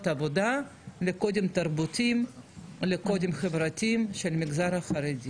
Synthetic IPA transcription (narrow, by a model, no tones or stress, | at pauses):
t̪avo̞d̪aleko̞d̪emt̪arbʊtʲimleko̞d̪emχevɾatʲimʃelmiɡzaɾaχɐɾedʲi